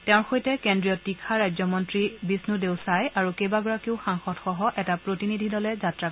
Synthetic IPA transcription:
tɛʊ̃ɹxojtɛkendɹijɔtːikʰaɹajzɔmɔntɹibisnudeʊsajaɹukejbaɡɔɹakiʊxaŋxɔtxɔɦɔʔɛtapɹotinidʱidɔlɛzatɹa

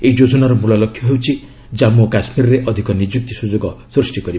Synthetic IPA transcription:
eid͡ʒod͡ʒɔnaɾɔmulɔlɔkʰːjɔɦewt͡ʃʰi | d͡ʒamokasmiɾɔɾeʔɔd̪ʱikɔnid͡ʒuk̚t̪isud͡ʒoɡɔsɾusʈikɔɾib

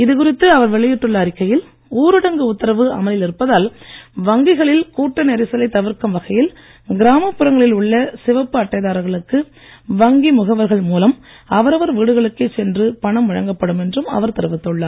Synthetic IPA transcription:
ɪðɯkʊrɪt̪ːɯɐʋɐɾʋɛɭɪjɪʈːɯɭːɐːɾɪkːɐjɪl | uːɾɯɽɐŋɡɯʊt̪ːɐɾɐʋɯʔɐ̰mɐlɪlɪɾɯpːɐðaːlʋɐŋɡɪɣɐɭɪlkuːʈːɐnɛɾɪsɐlɐɪt̪ɐʋɪɾkɐmʋɐɣɐjɪl | ɡɪɾaːmɐpːɯɾɐŋɡɐɭɪlʊɭːɐsɪʋɐpːɯɐʈːɐɪðaːɾɣɐɭɯkːɯ | ʋɐŋɡimʊɣɐʋɐɾɣɐɭmuːlɐm | ɐʋɐɾɐʋɐɾʋiːɽɯɣɐɭɯkːet͡ʃɛndrɯpɐɳɐmʋɐɻɐŋɡɐpːɐɽɯmɛndrɯmɐ̰ʋɐɾt̪ɪɾɯʋɪt̪ːɯɭːaː

